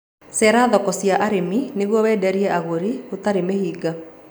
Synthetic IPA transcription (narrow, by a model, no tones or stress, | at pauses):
sɛɾaðɔkɔsjaʔaɾemineɣwɔwɛːdɛɾiɛʔaɣoɾiotaɾemehiːɡa